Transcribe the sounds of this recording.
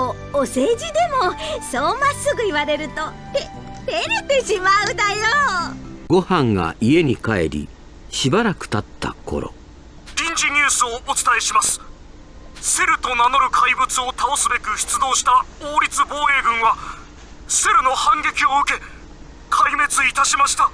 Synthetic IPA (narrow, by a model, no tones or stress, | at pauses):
o | ose̞ːd͡ʑid̪e̞mo̞soːmasɨɡɯ̟iβaɾe̞ɾɯ̟t̪o̞ | t̪et̪eɾet̪e̞ɕimaɯ̟d̪ajoɡo̞hãŋɡa̰ʔie̞ɲ̟ikae̞̰ɾʲḭ | ɕibaɾakɯ̟̥t̪at̪ːa̰ko̞̰ɾo̞̰ | d̪ʲĩɲd͡ʑiɲ̟ʲɨːsɨoʔːt͡sɨ̥t̪aeɕimasɨ̥ | se̞ɾɯ̟t̪o̞nano̞ɾɯ̟kʰaibɯ̟t͡sɨo̞t̪aosɨbe̞kɯ̟çi̥t͡sɨd̪o̞ːɕi̥t̪aoːɾʲit͡sɨbo̞ːe̞ːɡɯ̟̃ɰ̃βa | se̞ɾɯ̟no̞hãŋɡʲe̞kʲio̞ɯ̟ke̞ | kʰaime̞t͡sɨit̪aɕimaɕi̥t̪a